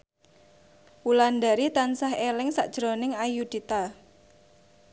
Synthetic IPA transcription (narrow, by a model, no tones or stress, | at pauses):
wuland̪aɾit̪ansaɦelɪŋsaʔd̥ʒ̥ɾonɪŋajud̪̥it̪a